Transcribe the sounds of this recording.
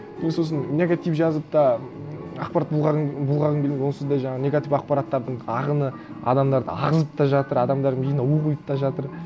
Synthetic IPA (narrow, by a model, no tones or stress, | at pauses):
emesos̬ənnʲeɡat̪ijpʒɑzəp̚t̪ɑ | ɑ̰q̚pɑɾat̪̚bulˠʁɑbulˠʁɑʁənɡʰʲemed̪wo̞nsəzd̪ɑjʒɑɴɑʁənʲe̞ɡat̪ifɑq̚pɑɾat̪ːɑɾd̪əɴɑʁənə | ɑ̰d̪ɑmd̪ɑɾd̪ə̰ɑ̰ʁəzəp̚t̪ɑʒɑt̪əɾɑd̪ɑmd̪ɑɾbijnɑwuʁujəp̚t̪ɑʒɑt̪əɾ